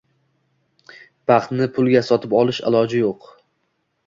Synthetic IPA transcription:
b̥ɑχt̪nɪpʰʊlˠɡʲasɒt̪ʰɪpɒlˠɪʃɪ̰lˠɒd͡ʒɪjoq

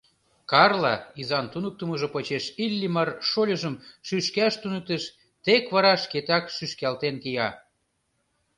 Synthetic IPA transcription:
kɑrlɑizɑnt̪unək̚t̪əməʒopot͡ɕeʃilʲːimɑrʃolʲə̆ʒə̆mʃyʃkæʃt̪unək̚t̪eʃ | t̪ekβɑɾɑʃket̪ækʃyʃkælt̪enkijɑ

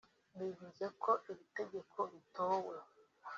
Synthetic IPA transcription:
bivuzekʰoʔiβite̞ɡekʰoβitowa

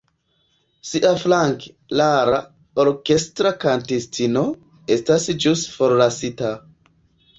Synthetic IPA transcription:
siʔaflaŋk | laɾa | oɾke̞stɾakantistino̞ | estasd͡ʒusfoɾlasita

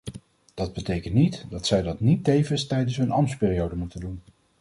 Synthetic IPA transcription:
d̥ɑd̚bətejkəntnitdɑtsɛjdɑtnitːejvənstɛjdənsɦɵnɑmspɪːrijowdəmutəndun

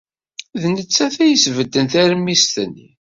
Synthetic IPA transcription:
ðnət͡sːæθæjəsvəd̪ːənθæɾmːist̪ənːḭ

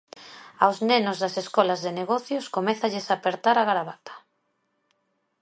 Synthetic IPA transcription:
awznenʊzðaseskɔlazðeneɣɔθjʊskomɛθaʎɪsapeɾt̪aɾaɣaɾaβat̪ḁ

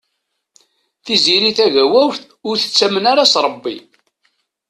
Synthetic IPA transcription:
θiziɾiθæʝæwæwvθ | ʊɾθə̥t͡sːæmənaɾasɾˤəbːi

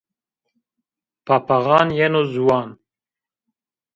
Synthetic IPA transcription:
paːpaɣɑːnjɛnoːzuwɑːn

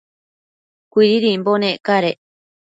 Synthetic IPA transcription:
kʷiɾiɾimbonẽʔkaɾe

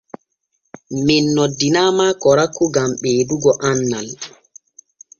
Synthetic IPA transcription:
minːɔdinaːmakɔɾakːuɡamɓeːduɡɔʔanːal

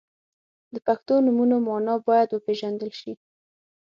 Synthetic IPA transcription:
d̪əpaxt̪onumunomɑnɑbɑjad̪wəpeʒand̪əlʃi

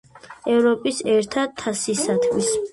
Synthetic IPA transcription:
ɛvɾɔpʼisɛɾt̪ʰad̪̚t̪ʰːasisat̪ʰmis

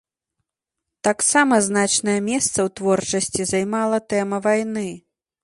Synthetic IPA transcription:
t̪aksamɐznat͡ʂnɐjɐmʲɛst̪sɐwt̪vɔrt͡ʂɐsʲt͡sʲizajmalˠɐt̪ɛmɐvajn̪ɨ

